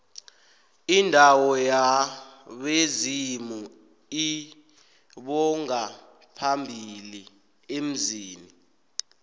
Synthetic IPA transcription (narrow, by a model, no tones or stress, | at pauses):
indʱawɔja | ɓezimu | i | ɓɔŋa | pʰambʱili | em̩ziːni